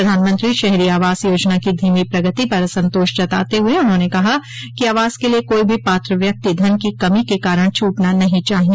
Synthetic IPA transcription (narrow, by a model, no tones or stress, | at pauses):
ɐd̪ʱaːnmə̃nt̪ɾiʃɛɦɾiaːʋaːzjoːd͡ʒnakid̪ʱiːmipɾɐɡət̪ipɐɾsɐ̃nt̪oːʃt͡ʃɐt̪aːt̪eɦʊeʊnɦõːnekɐɦa | kiaːʋaːz̥keliekoːibʱipaːt̪ɾəʋjɐk̚t̪id̪ʱɐnkikɐmikekaːɾəɽ̃t͡ʃʰuːʈnanɐɦĩt͡ʃaːɦĩ